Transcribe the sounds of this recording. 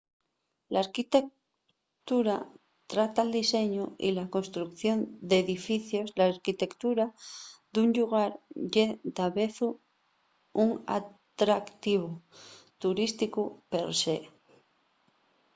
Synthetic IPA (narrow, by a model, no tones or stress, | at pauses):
laaɾkit̪e̞k̚ | t̪uɾa | t̪ɾat̪ald̪ise̞ɲoḭlako̞nst̪ɾukθjo̞nd̪e̞ðifiθjo̞zlaːɾkit̪e̞kt̪uɾaðuɲʎuɣ̞aɾʝet̪aβeθu | uŋa̰t̪ɾakt̪iβ̞ot̪uɾist̪ikupeɾse